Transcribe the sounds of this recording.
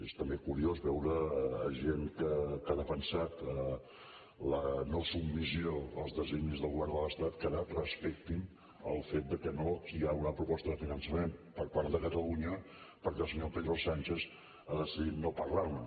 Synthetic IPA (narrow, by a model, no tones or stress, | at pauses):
est̪əmbekuɾiozβɛwɾəːʒenkəkaðəfənsat̪ə | lənosubmizioəlˠzðəzinizðəlˠɣuβɛɾðəlˠəst̪at̪kaɾarəspɛk̚t̪in | ə̰lˠfet̪̚d̪əkənoiaunəpɾupɔst̪əðəfinənsəmempəɾpaɾðəkət̪əluɲə | pəɾkɛlˠsəɲopeðɾosanʲt͡ʃez | aðəsiðit̪nopəɾlaɾnə